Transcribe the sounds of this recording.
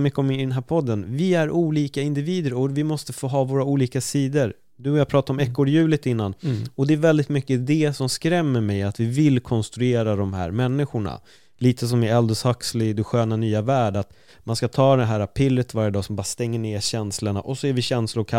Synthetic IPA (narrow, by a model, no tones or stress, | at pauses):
mʏkːəɔmd̪ɛnɦæːɾpʰɔd̪ːənvɪæɾuːliːkaɪnd̪ɪviːd̪əɾɔvɪmɔst̪əfoːɦɑːvoːɾauːliːkasiːd̪əɾ | d̪ɵɔjaɡ̚pʰɾɑːt̪aɾɔmɛkːoːɖjʉ̟ːlɪt̪ɪnːanɔd̪ɛæɾvɛld̪ɪt̪mʏkːəd̪ɛsɔmskɾɛmːəɾmɛjat̪vɪvɪlkʰɔnst̪ɾɵeːɾad̪ɔmɦæ̰ːɾmɛnːɪɧʊɳa̰ | liːt̪ʰəsɔmɪɛld̪əshakslɪd̪ɛɧøːnanyːavæːɖat̪ | manskat̪ʰɑːd̪ɛɦæːɾapʰɾɪlːət̪vaɾjəd̪ɑːsɔmbɑːɾast̪ɛŋːəɳeːɾɕɛnsləɳa̰ʔɔsːɔɛɾvɪɕɛnslʊkʰa